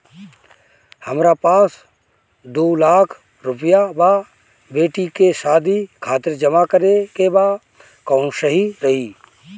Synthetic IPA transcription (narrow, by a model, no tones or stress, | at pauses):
həmɾapaːs | d̪oːlaːkʰ | ɾʊpjaba | beːʈikeʃaːd̪ʱikʰaːt̪əɾd͡ʒəmakəɾekeba | kɔ̃ːnsəɦiɾəɦiː